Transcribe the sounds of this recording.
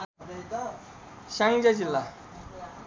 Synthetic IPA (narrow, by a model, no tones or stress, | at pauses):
ɕaŋd͡ʑad͡ʑilːa